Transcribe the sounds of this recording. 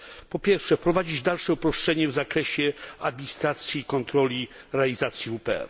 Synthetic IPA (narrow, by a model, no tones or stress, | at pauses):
pɔpʲjɛɾfʂɛpɾɔvad͡ʑid͡ʑd̪alʂɛupɾɔʂt͡ʂɛɲɛvzakɾɛɕɛad̪̚mʲist̪ɾat̪sʲjiːkɔnt̪ɾɔlʲi | ɾɛalʲizat̪sʲjiupɛ̰